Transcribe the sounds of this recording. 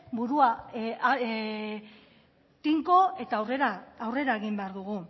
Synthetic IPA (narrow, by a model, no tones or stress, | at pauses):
buɾua | t̪iŋko̞e̞t̪awreɾaːwre̞ɾaeɣimbeaɾðuɣu